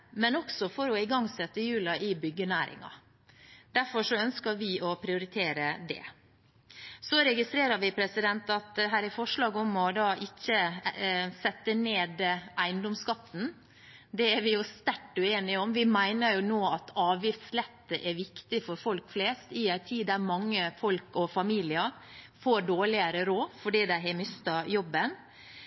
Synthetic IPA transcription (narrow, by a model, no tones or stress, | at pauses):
mɛnɔksɔfɔɾɔɪɡɑŋːsɛt̪ːəjʉːlɑʔɪbʏɡːənæːɾɪ̰ŋɑ̰ | d̪̥æɾfɔʂɔœnskəɾʋɪʔɔpʰɾɪʊɾɪt̪ʰeːɾəd̪ɛ̰ | sɔɾɛɡɪst̪ɾeːɾɑɾʋɪpʰɾɛsɪd̪ɛnt̪ɑt̪ɦæːɾɪfɔʂɭɑːɡɔmɔd̪ɑːʔɪçːə | sɛt̪ːəneːd̪ʔæɪnd̪ɔmskɑt̪ːn̩ | d̪ɛæɾʋɪjʊst̪æʈːʉeːnɪɔmʋɪmæɪnəɾjʊnoːɑt̪ʰɑːʋɪft̪slɛt̪ːəʔɛɾʋɪkt̪ɪfɔɾfɔlkfleːst̪ɪæɪt̪ʰiːd̪æɾmɑŋːəfɔlkɔfɑmiːlɪəɾ | foːɖoːɭɪəɾəɾoːfɔɖiːd̪æɪɦɛmʏst̪ɑjɔbːən